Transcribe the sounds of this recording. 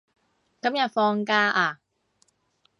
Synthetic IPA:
kɐ˨˥mjɐ˨t̚fɔː˧ŋkaː˧ʔaː˧

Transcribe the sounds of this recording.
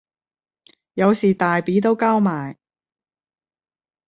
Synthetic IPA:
jɐ˨˧wsiː˨˩t̪aː˨˩jpiː˨˥t̪̬o˥wkaː˥wmaː˨˩j

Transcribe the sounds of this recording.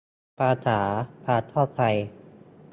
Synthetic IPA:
pʰaː˧t̪ʰaː˩˦pʰaː˧t̪ʰɔː˥˩wt̪ʰa˧j

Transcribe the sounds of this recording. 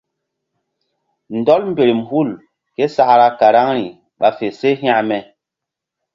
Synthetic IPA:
n̩˨dɔ˦lm̩˦be˨ɾi˨m˨hu˦˨l | ke˦sa˦˨ʔɾa˦ka˨ɾa˦ŋɾi˨ | ɓa˨fe˨se˦ɦa˦mɛ˨

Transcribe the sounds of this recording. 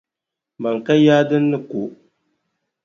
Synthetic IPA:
ba˨ŋ˨ka˦jaː˦dɨ˦nːɨ˦ko˨

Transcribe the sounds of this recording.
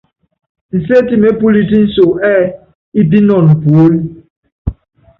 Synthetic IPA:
n̩˨se˦ti˨me˦pu˦li˦ti˦n̩˦so˨ɛ˦˨ | i˦p̬i˦nɔ˨nm̩˨pu˨˦l

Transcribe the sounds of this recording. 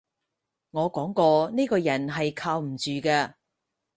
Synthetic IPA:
ŋɔː˨˧kɔː˨˥ŋkɔː˧ne˥jkɔː˧jɐ˨˩nɦɐ˨jkʰaː˧wm̩˨˩t͡ʃyː˨kɛː˧

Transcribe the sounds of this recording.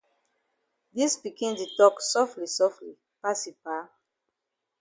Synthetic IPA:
di˦sbi˨kĩ˦ndi˨tɔksɔ˦fli˨sɔ˦fli˨ | pasi˨pa

